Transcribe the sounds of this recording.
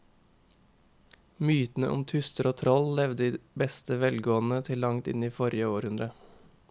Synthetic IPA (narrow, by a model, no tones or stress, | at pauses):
myːt̪n̩ə̰ʔʊ̰mt̪ʰʉst̪əɾoːt̪ʰɾɔllɛʋd̪əd̪iːbɛst̪əʋɛlɡoːn̩ət̪ʰɪllɑŋt̪ɪ̰niːfɔɾɪəoːɾhʉnd̪ɾə